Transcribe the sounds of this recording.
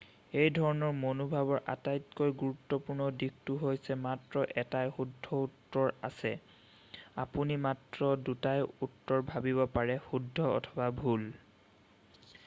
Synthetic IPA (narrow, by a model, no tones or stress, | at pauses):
ejdʱɔɹɔnɔɹmonobʱabɔɹʔa̰tajtkojɡuɹutːɔpuɹnɔdiktuɦojsɛmatɹɔʔɛtajxudʱːɔutːɔɹa̰sɛ | apunimatɹɔdutajutːɔɹbʱabibɔpaɹɛxudʱːɔɔ̰tʰɔbabʱul